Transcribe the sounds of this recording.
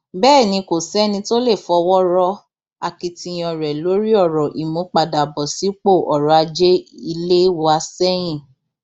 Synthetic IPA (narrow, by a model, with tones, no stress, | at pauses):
bɛː˦˨nĩ˧ko˨sɛ˦nĩ˧to˦le˦˨fɔ˧wɔ˦ɾɔ˧ | a˧ki˧ti˧j̃ɔ̃˨ɾɛ˨lo˨˦ɾi˦ɔ˦˨ɾɔ˨ʔi˨mũ˨˦k͡pa˧da˨bɔ˨si˨˦k͡po˦˨ʔɔ˨ɾɔ˨˦a˧d͡ʒe˦i˧le˦wa˧sɛ˦j̃ĩ˦˨